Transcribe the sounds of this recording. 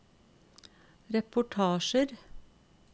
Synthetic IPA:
ɾɛpʊʈʰɑːʃəɾ

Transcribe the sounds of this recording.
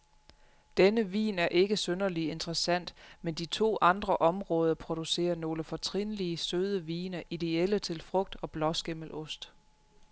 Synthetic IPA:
d̥enəʋḭːnæɐʔe̝ɡ̥əsønɐlie̝nd̥ʁəsæn̰d̥mend̥it͡sʰo̝̰ːʔɑ̈nd̥ʁɐʔɒ̽mʁɔ̽ːð̞ˠɐpʰʁo̝d̥use̝̰ːɐno̝ːləfɒ̽t͡sʰʁinliəsøð̞ˠəʋḭːnɐʔid̥e̝elət͡sʰe̝lfʁɔ̽ɡ̥̚d̥ɒ̽b̥lɒ̽sɡ̥eməl̩ɔ̽sd̥

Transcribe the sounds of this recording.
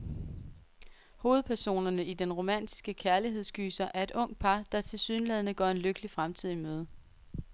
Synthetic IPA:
ho̝ːð̞̩ˠpʰæɐso̝̰ːnɐnəid̥enʁo̝mæn̰d̥i̥sɡ̥əkʰæɐliɦe̝ðˠsɡ̥y̰ːsɐʔæɐe̝d̥ɔ̽ŋ̰d̥̚pʰɑ̈d̥ɑ̈t͡sʰe̝lsyːnlɛð̞ˠnəɡ̥ɒ̰ːe̝nløɡ̥əlifʁamt͡sʰið̞̰ˠimøːð̞ˠ

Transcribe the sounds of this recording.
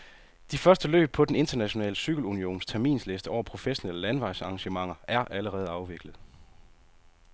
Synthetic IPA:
d̥ifɶɐsd̥əlø̰ːb̥̚pʰɒ̽d̥ene̝nd̥ɐnæɕo̝nɛ̰ːləsyɡ̥l̩unio̝̰ːnst͡sʰæɐmḭːnsle̝sd̥əɒʊ̰ɐpʰʁo̝feɕo̝neləlænʋɑ̈ɪsɑ̈ŋɕəmɑ̈ŋ̰ɐæɐʔæləʁɛːð̞̩ˠɑ̈ʊʋe̝ɡ̥ləð̩ˠ

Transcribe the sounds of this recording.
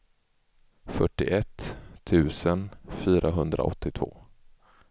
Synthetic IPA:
fœʈːɪʔɛt̪ʰːʉ̟ːsənfyːɾʔaɦɵnd̪ɾa̰ʔɔt̪ːɪt̪ʰvo̰ː

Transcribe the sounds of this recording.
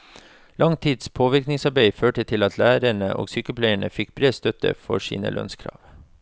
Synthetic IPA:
lʔɑŋt̪ʰiːd̪spʰoːʋɪɾknɪŋsɑɾbeɪføːʈət̪ʰɪlɑt̪ʰlæːɾəɳəʔo̰ːɡsyːkəpʰlæɪəɳəfɪk̚bɾeːst̪œt̪ə̰fɔ̰sḭːnə̰lʔœ̰nskʰɾɑ̰ːʋ

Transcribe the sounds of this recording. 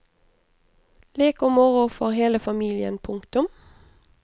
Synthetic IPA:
leːkʊmɔʁʊfɔʁheːləfɑmiːlɪə̰npʰʊŋkt̪ʊm

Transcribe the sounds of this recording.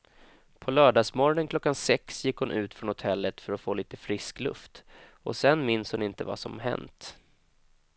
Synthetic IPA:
pʰɔlœːɖɑːsmɔɾɔnənkʰlɔkːansɛksjɪkːhʊnʔʉ̟ːt̪fɾɔnhʊt̪ʰɛlːət̪fœɾɔfoːliːt̪əfɾɪsklɵ̰ft̪ | ɔ̰sɛnmɪnshʊnɪnt̪əva̰sɔ̰mɦɛ̰nt̪

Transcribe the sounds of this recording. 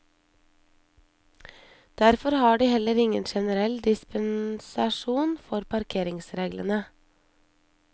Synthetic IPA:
d̪̥æɾfɔɾhɑːɖiːhɛləɾɪŋənʃɛnəɾɛld̪ɪspənsɑʃuːnfɔɾpʰɑɾkʰeːɾɪŋsɾeːɡlə̰nə

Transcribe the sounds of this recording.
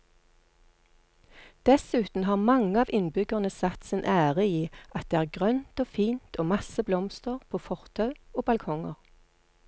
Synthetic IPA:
d̪̥ɛsʉːt̪n̩hɑːʁmɑŋəɑːʋʔɪnbʏɡəʁnəsɑt̪sɪnʔæːʁəiːʔɑt̪̚d̪eːæːʁɡʁœnt̪oːfiːnt̪ʰoːmɑsəblɔmst̪əʁpʰoːfɔʁt̪ʰœʉoːbɑlkʰɔŋə̰ʁ

